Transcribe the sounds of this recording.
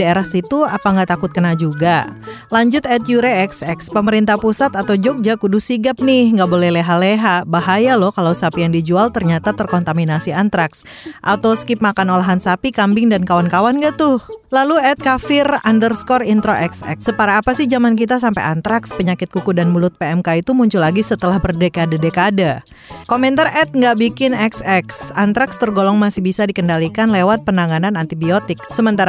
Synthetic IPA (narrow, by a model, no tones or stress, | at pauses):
aeɾahsit̪uapaŋɡat̪akʊt̪̚kənad͡ʒuɡa | laɲd͡ʒʊt̪ɛt̪̚juɾeɛksɛkspəməɾint̪ahpusat̪at̪awd͡ʒɔk̚d͡ʒakuduhsiɡap̚nɪhŋɡabolɛhleɦaleɦabaɦajalɔhkalawsapijaŋdid͡ʒualt̪ərɲat̪at̪ərkɔnt̪aminasiant̪ɾaks | ʔat̪awskɪp̚makanolaɦansapikambɪŋdankawankawanɡat̪ʊhlaluɛt̪̚kafɪrandərskɔrint̪ɾoʔɛksɛ̰ksəpaɾaːpasɪhd͡ʒamank̬it̪̬as̬ampajant̪ɾakspəɲakɪt̪̚kukudanmulʊt̪̚peɛmkait̪umuɲt͡ʃʊlaɡisət̪əlahbərdekadadekada | komɛnt̪arɛt̪̚ŋɡaʔbikɪnɛksɛksant̪ɾakst̪ərɡolɔŋmasɪhbisadikəndalikanlewat̪̚pənaŋananant̪ibiot̪ɪk̚səmənt̪aɾa